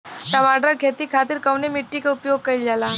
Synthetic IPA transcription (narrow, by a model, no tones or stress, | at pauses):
kɐmaɖəɾkʰet̪ikʰaːt̪iɾkɐwnemiʈːikaʊpjoɡ̚kɐild͡ʒaːlaː